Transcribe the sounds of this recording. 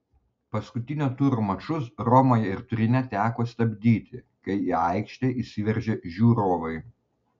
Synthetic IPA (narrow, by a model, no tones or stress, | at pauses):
pɐskʊt̪ʲɪnʲoːt̪uːɾomɐt͡ʃʊsɾɔmoːjɛɪɾt̪ʊɾʲɪnʲɛt̪ʲæːkoːsʲt̪ʲɐbʲd̪ʲiːt̪ʲɪ | kɐɪiːɐɪkʃʲt̪ʲeːʔisʲɪʋʲɛɾʲʒʲɛʒʲuːɾoːʋɐɪ